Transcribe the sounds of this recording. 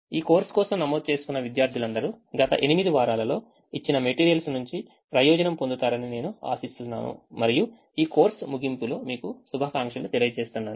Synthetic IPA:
iːko̞ːɾskɔːsɐmnɐmoːd̪̚t͡ʃe̞ːsukunːɐʋid̪jaːɾd̪ʱilɐnd̪ɐɾu | ɡɐt̪ɐ̰ʔe̞nimid̪iʋaːɾaːlɐlo̞ː | it͡ʃːinɐme̞ʈiːɾijɐlsnuɲt͡ʃi | pɾɐjɔːd͡ʒɐnɐmpond̪ut̪aːɾɐnine̞ːnua̰ːsist̪unːa̰ːnṵmɐɾiju | iːko̞ːɾsmuɡimpuloːmiːkusubʱɐːkaːŋkʂɐlut̪elijɐt͡ʃe̞ːst̪unːaːnu

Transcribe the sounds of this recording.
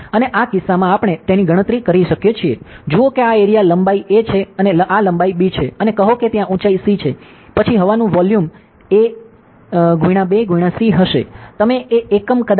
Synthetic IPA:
əneʔakɪsːamãːpəɳ̃et̪eniɡʱəɽ̃ət̪ɾikəɾiʃəkjet͡ʃʰied͡ʒuokeaeɾijaləmbaiʔet͡ʃʰeəneʔaləmbaibit͡ʃʰeənekəɦoket̪jãʔũt͡ʃaisit͡ʃʰe | pət͡ʃʰiɦəʋanũʋɔljum | e | ɡʱuiɽ̃ãbeɡʱuiɽ̃ãsiɦəʃḛt̪əmeʔeːkəmkəd̪

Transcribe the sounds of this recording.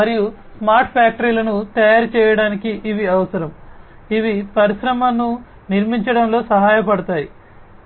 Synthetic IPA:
ɐɾiju | smaːɾʈʰpjaːk̚ʈɐɾiːlɐnut̪ɐjaːɾt͡ʃɛːjɐɽaːnikiʔiʋiɐʋɐsɐɾɐm | iʋipɐɾiʃɾɐmɐnːu | niɾmiɲt͡ʃɐɽɐmlo̞ːsɐɦaːjɐpɐɽɐt̪aːji

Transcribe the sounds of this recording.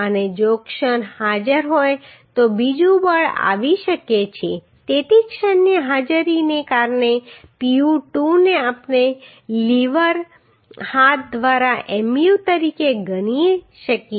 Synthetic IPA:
əned͡ʒokʃənhad͡ʒəɾɦoj | t̪obid͡ʒũbəɭa̰ʋiʃəket͡ʃʰe | t̪et̪ikʃənːiɦad͡ʒɾinekaɾnepiuʈuneapne | liʋəɾ | hat̪̚d̪ʋaɾaʔemjut̪əɾikeɡəñi | ʃəkje

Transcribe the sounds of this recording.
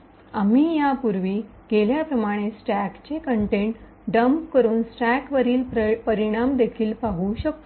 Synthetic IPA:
amiːjapuɾʋiːɡ̥eljapɾəmaɽ̃esʈækt͡ɕekəɳʈeɳʈ | ɖəmpkəɾuːnsʈækʋəɾiːlpəɾiɽ̃amd̪ekʰiːlpaɦuɕək̚t̪u

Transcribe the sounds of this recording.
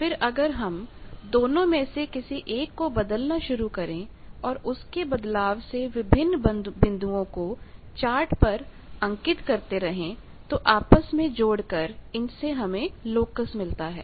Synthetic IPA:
fɪɾɐɡəɾɦɐmd̪oːnõmẽsekɪsiʔeːkːobɐd̪əlnaʃʊɾukɐɾẽ | ɔːɾʊskebɐd̪laːʋseʋɪbʱɪnːb̪bɪ̃nd̪ʱuõkot͡ʃaːɾʈpɐɾ | ɐ̃ŋkɪt̪kɐɾt̪eɾɐɦẽ | t̪oʔaːpəsmẽd͡ʒoːɽkɐɾɪnseɦɐmẽloːkəsmɪlt̪aɦɛ̰ː

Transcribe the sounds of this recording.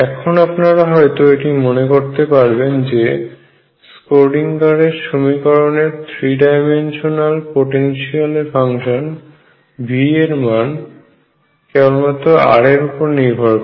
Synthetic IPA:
ɛkʰonapnaɾaɦɔet̪oeʈimonekoɾt̪epaɾbend͡ʑe | skoɾɖiŋkaɾeɾʃomikɔɾoneɾt̪ʰɾiɖajmenʃonalpoʈenʃialfʰaŋʃon | bʱieɾman | kɛbolmat̪oa̰ɽeɾupoɾniɾbʱɔɾb

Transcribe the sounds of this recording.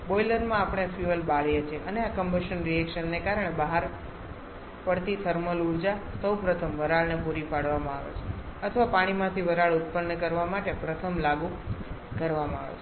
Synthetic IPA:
boiləɾmãapɽ̃efjuəlbaɭjet͡ʃʰeʔəneakəmbəʃənɾiɛkʃənːekaɾəɳ̃ebəɦaɾ | pəɽt̪it̪ʰəɾməluɾd͡ʒasəwpɾət̪ʰəmʋəɾaɭnepuɾipaɽʋamãa̰ʋḛt͡ʃʰeət̪ʰəʋapaɽ̃imãt̪ʰiʋəɾaɭut̪̚pənːəkəɾʋamaʈepɾət̪ʰəmlaɡu | kəɾʋamãa̰ʋḛt͡ʃʰ

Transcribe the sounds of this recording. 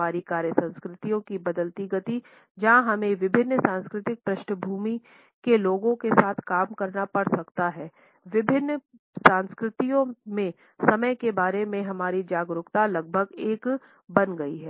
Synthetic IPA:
aːɾikaːɾjəsɐ̃nskɾɪt̪ijõkibɐd̪əlt̪iɡət̪i | d͡ʒaɦɐmẽʋɪbʱɪnːsãːnskɾɪt̪ɪk̚pɾɐʃnəbʱuːmi | keloːɡõkesaːt̪ʰkaːmkɐɾnapɐɽsɐkt̪aɦɛː | ʋɪbʱɪnː | sãːnskɾɪt̪ijõmẽ | sɐməjkebaːɾemẽɦɐmaːɾid͡ʒaːɡɾʊkt̪alɐɡ̚bʱəɡeːk | bɐnɡɐiɦɛː

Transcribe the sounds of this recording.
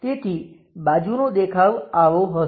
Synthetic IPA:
t̪et̪ʰi | bad͡ʒunod̪ekʰaʋaʋoɦə

